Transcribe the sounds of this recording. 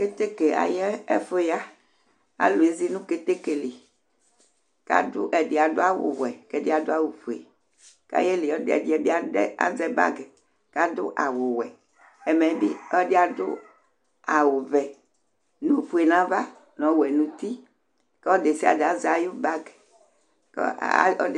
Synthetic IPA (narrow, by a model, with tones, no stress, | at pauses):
ke˦t̪e˦ke˨a̰˨jɛ˦e˦fo˦ja˦ | a̰˨lo˨e˨˦zi˦nũ˦ke˦t̪e˦ke˨le˨ | ka̰˦do̰˦ʔɛ˨de˨a˨d̪o˦a˦wo̰˨wɛ˨kɛ˦de˦a˨d̪o˦a˦wo˨ɸu˨ḛ˨ | ka̰˦jɛ˦le˨ɔ˦dɛ̰˨di˦ɛ˨˦bi˦a˦dɛ˦a̰˦˨zɛ˦ba̰˦ɡɛ˨ | ka˦d̪o̰˦ʔa˨wo˨wɛ˨ | ɛ˨mɛ̃˨bi˦ɔ˦dɛ˦a˨d̪o̰˦ | a˨wo˨vɛ˨ | nũ˦˨fu˦e˨nã˦va˦ | nɔ̃˨˦wɛ˨nũ˨t̪i˦ | ke˦ɔ˦de˨si˦a̰˨de˨a˨za˨jo˦ba˦ɡ | kɔ˦